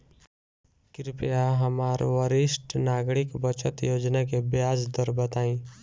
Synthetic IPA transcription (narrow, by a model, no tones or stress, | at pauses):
kɪɾpjaɦəmaːɾʋəɾɪsʈnaːɡɽɪkbət͡ʃət̪joːd͡ʒnak̬ebjaːd͡ʒd̪əɾbət̪aːĩ